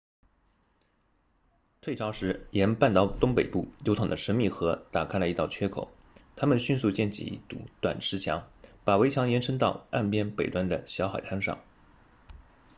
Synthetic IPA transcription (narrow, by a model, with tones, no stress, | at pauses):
t̪ʰwe˥˩ʈ͡ʂʰɑ˧˥ʊʂɻ̩˧˥jɛ˧˥npa˥˧nt̪ɑ˥˩ʊt̪ʊ˥ŋpe˨˩ɪpu˥˩jo˧˥t̪ʰɑ˨˩ŋd̪ə˦ʂə˧˥nmi˥˩xɤ˧˥t̪a˨˩kʰa˥ɪlə˨i˧˥t̪ɑ˥˩ʊt͡ɕʰɥɛ˥kʰo̰˨˩˦ʊ | t̪ʰa˥mə˨nɕy˥˧nsu˥˧t͡ɕjɛ˥˩nt͡ɕḭ˥˩˥t̪ṵ˧˥t̪wa˨˩nʈ͡ʂʰɻ̩˧˥t͡ɕʰjɑ̰˧˥ŋpa˨˩we˧˥ɪt͡ɕʰjɑ˧˥ŋjɛ˧˥nʈ͡ʂʰɤ˥ŋt̪ɑ˥˧ʊa˥˩npjɛ˥npe˨˩ɪt̪wa˥nd̪ə̰˨ɕjɑ˧˥ʊxa̰˨˩ɪt̪ʰa˥nʂɑ̰˥˩ŋ